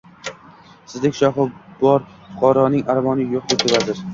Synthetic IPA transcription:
sɪzd̪ɪkʲʃɒɦɪbɒɾ | fʊqʰɒɾɒnɪŋaɾvɒnɪjoqd̪et̪ebad̪ɪɾ

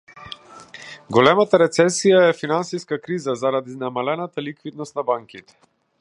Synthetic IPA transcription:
ɡɔlɛmat̪aɾɛt̪sɛsijaɛfinansiskakɾizazaɾad̪iznamalɛnat̪alikvid̪̚nɔst̪nabaŋkit̪ɛ̥

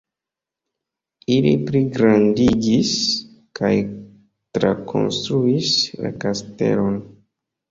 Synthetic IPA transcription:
ilḭpliɡɾandiɡis | kaj | tɾakʰo̞̰nstɾuisla̰kaste̞̰lo̞n

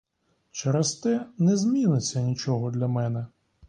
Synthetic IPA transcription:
t͡ʃɛɾɛst̪ɛnɛzʲmʲinɪt͡sʲːɐnʲit͡ʃɔɦɔd̪lʲɐmɛnɛ

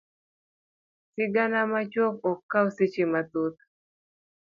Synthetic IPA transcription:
sɪɡanamat͡ʃwɔkɔkːawsit͡ʃimat̪ut̪̚

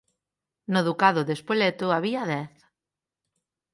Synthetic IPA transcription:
noðukaðʊðespolet̪ʊaβiaðɛθ

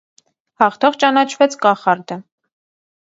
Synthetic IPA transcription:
hɑχt̪ʰɔʁt͡ʃɑnɑt͡ʃʰvɛt͡sʰkɑχɑɾd̪ə

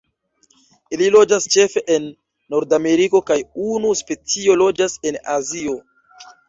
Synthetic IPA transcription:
ililo̞d͡ʒast͡ʃe̞fe̞ʔenː | o̞ɾdame̞ɾiko̞kajunuspe̞t͡sio̞lo̞d͡ʒase̞nazio̞

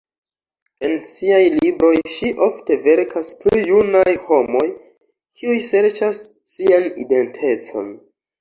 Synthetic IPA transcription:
e̞nsiajlibɾo̞jʃiʔo̞fte̞ve̞ɾkʰasplijunajho̞mo̞j | kʰiujse̞ɾt͡ʃasː | ianḭde̞ntʰe̞t͡so̞̰n

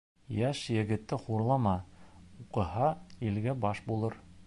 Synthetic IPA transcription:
jæʃjɘ̆ɡɘ̆t̪ːɘχuɾlˠɑmɑuqɤ̆hɑilɡæbɑʃbulˠɤɾ

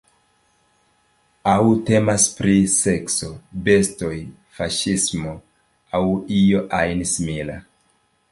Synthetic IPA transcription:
awte̞maspɾise̞kso̞be̞sto̞j | faʃismo | awijo̞ʔajnsimila̰

